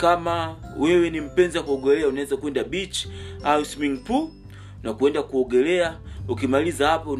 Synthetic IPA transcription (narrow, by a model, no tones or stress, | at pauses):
kamawɛwɛnim̩pɛnzakuɔɡɛlɛaunaɛzakwɛndabit͡ʃausmiŋtu | nakuɛndakuɔɡɛlɛaukimalizahapɔ